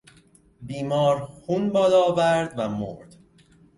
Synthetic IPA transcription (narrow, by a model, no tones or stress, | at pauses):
biːmɒːɾxunbɒːlɒːvæɾd̪væmoɾd̪̥